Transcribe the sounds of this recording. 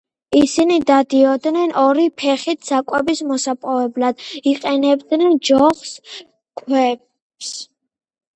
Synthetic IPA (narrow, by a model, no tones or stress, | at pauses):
isinid̪ad̪iɔd̪nɛnʔɔɾipʰɛχit̪ʰsakʼwɛbismɔsapʼɔvɛblad̪iqʼɛnɛbd̪nɛnd͡ʒɔχs | kʰwɛp | s